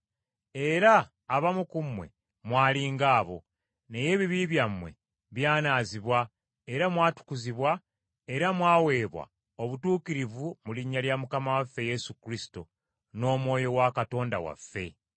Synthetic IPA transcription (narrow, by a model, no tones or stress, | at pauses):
e̞ɾaː | βamukumwe̞̰ | mwaːliːŋɡaːβo̞̰ | ne̞je̞ːβiβiβjamːwe̞̰ | βjaːnaːziβwa | eɾamwaːtu̥kuziβwa | e̞ɾamwaːwe̞ːβwa̰ | oβutuːkiɾivumuliɲːaljamukamawafːe̞je̞sukɾisi̥to̰ | no̞ːmwo̞ːjo̞wakato̞ːnda̰wa̰fːe̞